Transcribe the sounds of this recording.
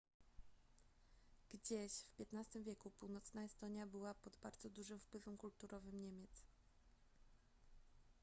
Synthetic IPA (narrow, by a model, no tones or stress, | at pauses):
ɡ̥d͡ʑeɕfpʲjɛt̪nast̪ɘmvʲjɛkupuwnɔt̪snaɛst̪ɔɲjabɘwapɔd̪baɾd̪zɔd̪uʐɘmfpwɘvɛmkult̪uɾʔɔvɘmɲemʲjɛt̪s